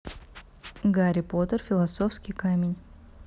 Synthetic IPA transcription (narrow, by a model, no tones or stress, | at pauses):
ɡaɾʲɪpo̞t̪ərfʲɪlˠɐsofskʲɪjkamʲɪnʲ